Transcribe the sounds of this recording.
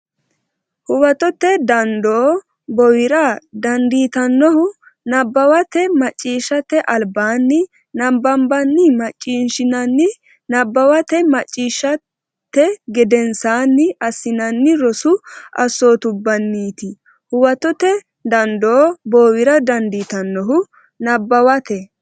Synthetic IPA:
hʊwɐt̪ɔt̪ːɛd̪ɐnd̪oː | bɔwɪɾɐd̪ɐnd̪iːt̪ɐnːɔhʊ | nɐbːɐwɐt̪ɛmɐt͡ʃʼːiːʃɐt̪ɛʔɐlbaːnːɪ | nɐmbɐmbɐnːɪmɐt͡ʃʼːiːnʃɪnɐnːɪ | nɐbːɐwɐt̪ɛmɐt͡ʃʼːiːʃːɐ | t̪ːɛɡɛd̪ɛnsaːnːɪʔɐsːɪnɐnːɪɾɔsʊɐ̰so̞ːt̪ʊbːɐnːiːt̪ɪ | hʊwɐt̪ɔt̪ɛ | d̪ɐnd̪oːbɔwɪɾɐd̪ɐnd̪iːt̪ɐnːɔɦʊ | nɐbːɐwɐt̪ɛ

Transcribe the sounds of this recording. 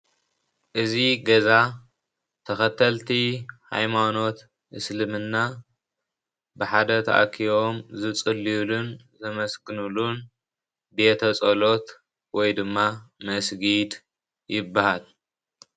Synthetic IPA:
ʔɨziɡɐza | t̪ʰɐxɐt̪ʰːɐlt̪ʰiha̰jmano̞t̪ | ʔɨslɨmɨnːa | bɨħad̪ɐt̪ʰɐ̰ʔa̰kʰio̞mzɨt͡sʼɨlːilunzɐmɐsɡɨnulun | be̞t̪ʰɐt͡sʼɐlo̞t̪ | wɔjd̪ɨmːamɐsɡid̪ | jɪbːahal

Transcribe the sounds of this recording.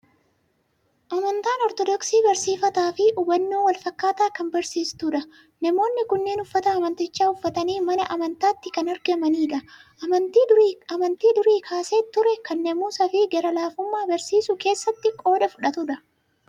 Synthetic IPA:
ʔɐmɐnt̪aːnɔɾt̪ɔd̪ɔksiːbɐɾsiːfɐt̪aːfɪʊbɐnːoːwɐlfɐkːaːt̪aːkɐmbɐɾsiːst̪ʊᶑɐ | nɐmo̞ːnːɪkʊnːe̞ːnʊfːɐt̪ɐːmɐnt̪ɪt͡ʃːaːʊfːɐt̪ɐniːmɐnɐʔɐmɐnt̪aːt̪ːɪkɐnɐɾɡɐmɐniːᶑɐ | ʔɐmɐnt̪iːʊɐmɐnt̪iːd̪ʊɾiːkʰaːseːt̪ːʊɾɛkɐnːɛmuːsɐfɪɡɛɾɐlaːfʊmːaːbɐɾsiːsʊke̞ːsːɐt̪ːɪkʼo̞ːd̪ɐfʊᶑɐt̪ʊᶑɐ

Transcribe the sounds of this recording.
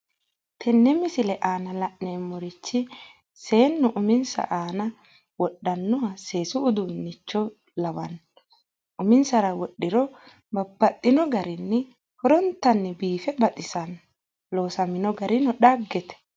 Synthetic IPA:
t̪ʰɛnːɛmɪsɪlɛʔaːnɐlɐʔneːmːɔɾɪt͡ʃːɪ | se̞ːnːʊʔʊmɪnsɐ̰ʔaːnɐ | wɔɗːɐnːʊɐse̞ːsʊːd̪ʊnːɪt͡ʃːɔ | lɐwɐn | ʔʊmɪnsɐɾɐwɔɗːɪɾɔ | bɐbːɐt̪ʼːɪnɔɡɐɾɪnːɛ | hɔɾɔnt̪ːɐnːɛbiːfɛbɐt̪ʼɪsɐn | lo̞ːsɐmɪnɔɡɐɾɪnɔɗaɡːɛt̪ɛ̥

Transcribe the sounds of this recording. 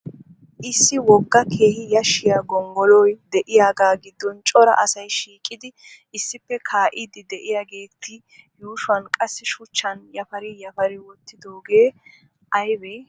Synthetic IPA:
ʔɪsːɪwɔɡːɐkʰe̞ːhɪjɐʃːɪjaːɡɔŋɡɔlɔjd̪ɛʔɪjaːɡaːɡɪd̪ːɔnt͡ʃʼɔɾɐ̰ʔɐsɐjʃiːkʼːɪd̪ɪ | ɪsːɪpːɛkʰaːʔɪd̪ɪd̪ɛʔɪjaːɡe̞ːt̪ʰːɪ | juːʃʊɐnkʼɐsːɪʃʊt͡ʃːɐnjɐfɐɾɪjɐfɐɾɪwɔt̪ːɪd̪oːɡe̞ː | ʔɐjbɛj

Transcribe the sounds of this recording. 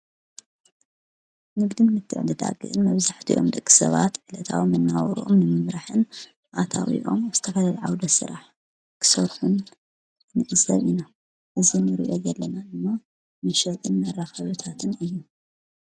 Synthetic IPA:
nɨɡd̪ɨnmɨt̪ʰːɨ̰ʕd̪ɨd̪a̰ɡɨ̰ʔɨnmɐβzaħt̪ʰiʔo̞̰md̪ɨkʼːi̥sɐ̰βa̰t̪ʕɨlɐt̪ʰa̰wimɨnːawɾṵʔomnɨmɨmɾaħɨn | ʔat̪ʰa̰wḭʔo̞mz̥ɨ̥t̪ʰɐfɐlalʕawd̪ɐsɨ̰ɾa̰ħ | kʰɨ̥sɐɾħunː | ɨʔʼɨzɐ̰βina | ʔɨzinɨɾḭʔo̞jɛlːɐnad̪ɨmːa | nɨʃɐt̪ʼɨnmɐraxɐβɨt̪ʰat̪ʰɨnɨjːu

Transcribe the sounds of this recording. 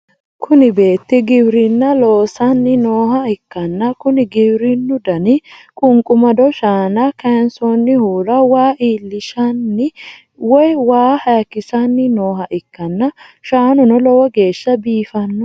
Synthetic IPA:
kʰʊnɪbe̞ːt̪ːɪɡɪbɾɪnːɐloːsɐnːɪnoːhɐɪkːɐnːɐkʊnɪɡɪbɾɪnːʊd̪ɐnɪkʼʊŋkʼʊmɐd̪ɔʃaːnɐkɐnsonːɪhuːɾɐwaːʔiːlːɪʃɐnːɪ | wɔjwaːhɐjkːɪsɐnːɪnoːɦɐʔɪkːɐnːɐʃaːnʊnɔlɔwɐɡe̞ːʃːɐbiːfɐnːʊ

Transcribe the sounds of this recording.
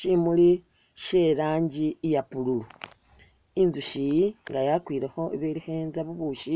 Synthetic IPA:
ʃimuli | ʃeɾaːɲɟijapululu | inzuʃiŋɡajakwiːɾexo̞eβelixeːnzaβuβuʃi

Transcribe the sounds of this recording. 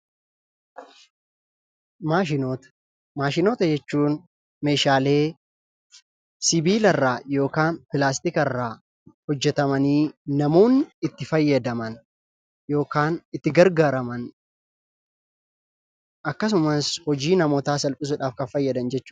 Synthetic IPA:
maːʃɪot̪ | maːʃɪno̞ːt̪ɐd͡ʒɛt͡ʃːuːn | me̞ːʃaːle̞ː | sɪbiːlɐrːaːjo̞ːkaːnpɪlaːs̬t̪ɪkɛrːaː | hɔd͡ʒːɛt̪ɐmɐniːnɐmoːnɪɪt̪ːɪfɐjːɐd̪ɐmɐn | jo̞ːkaːnɪt̪ːɪɡɐɾɡaːɾɐmɐn | ʔɐkːɐs̬ʊmɐshɔd͡ʒiːnɐmoːt̪aːsɐlpʼɪs̬ʊᶑaːfkɐfɐjːɐd̪ɐnd͡ʒɛt͡ʃːʊ̥

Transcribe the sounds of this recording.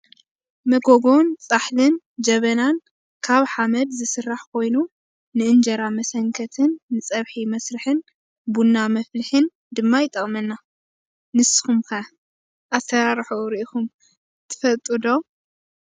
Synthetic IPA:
mɐɡoɡont͡sʼaħlɨn | d͡ʒɐβɐnan | kʰaβħamɐd̪zɨsɨrːaħkʰo̞jnu | nɨʔɨnd͡ʒɐɾamɐsɐŋkʰɐt̪ʰɨnːɨt͡sʼɐβħimɐsɾɨħɨn | bunːamɐflɨħɨn | d̪ɨmːajɪt̪ʼːɐχʼmɐnːa | nɨsɨ̥xumkʰɐ | ʔasɐɾaɾħuɾiʔikum | t̪ʰɨ̥fɐt̪ʼud̪o

